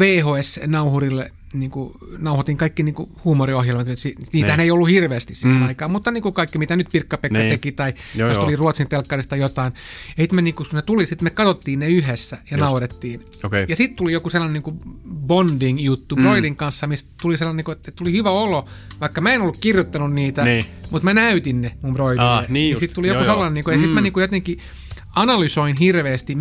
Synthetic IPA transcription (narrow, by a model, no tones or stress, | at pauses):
ʋeːhoːesnɑuhurilːe | niːŋku | nɑuhot̪iːŋkɑikːiniːŋkuhuːmoriohjelmɑt̪møt̪siniːt̪æhæneijolːuhirʋeːst̪issiːhenɑikɑːmmut̪ːɑniːŋkukɑikːimit̪ænyt̪̚pirkːɑpekːɑt̪ekit̪ɑijost̪uliruot̪sint̪elkːɑrist̪ɑjot̪ɑinjɑsit̪meniːŋkunet̪ulisit̪mekɑt̪ot̪ːiːnneyhesːæjɑnɑuhot̪et̪ːiːn | okejɑsit̪t̪ulijokuselːɑneniːŋkubondiŋjut̪ːub̥roiliŋkɑnsːɑmistt̪uliselːɑniːkuet̪ːet̪ulihyʋæoloʋɑikːɑmæenolːukkirjot̪ːɑnunniːt̪æmut̪mænæyt̪innemumbroililːenːisitt̪ulijokuselːɑneniːŋkojɑsit̪mæniːŋkujot̪eŋki | ɑnɑlysoinhirʋeːst̪i